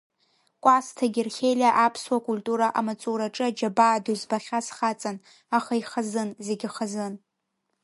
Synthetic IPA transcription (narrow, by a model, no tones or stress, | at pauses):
kʷʼastʰaɡʲɪrχʲejlʲaʔapʰswakʼultʼuɾaʔamat͡sʼuɾaʈ͡ʂʼɨad͡ʒabaːduzbaχʲasχat͡sʼan | aχaiχazɨnze̞ɡʲɪχazɨn